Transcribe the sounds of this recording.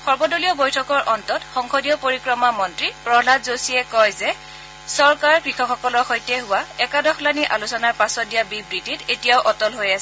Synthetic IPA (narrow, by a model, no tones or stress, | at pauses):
xɔɹbɔdolijɔbojtʰɔkɔɹʔɔntɔtxɔŋkodijɔpoɹikɹɔmamɔntɹipɹɔlatzosiɛkɔjzɛ | sɔɹkaɹkɹixɔkxɔkɔlɔɹxɔjtɛɦʊwaɛkadɔxʰlaniʔalusɔnaɹpasɔt̚dijabibɹititetijaʊʔɔtɔlɦojasɛ